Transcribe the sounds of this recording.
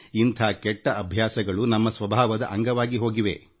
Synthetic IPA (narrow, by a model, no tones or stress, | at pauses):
int̪ʰaːkɛʈːɐʔɐbʱjaːsɐɡɐɭunɐmːɐsʋɐbʱaːʋɐd̪ɐ̰ʔɐŋɡɐʋaːɡiɦo̞ːɡiʋe̞̰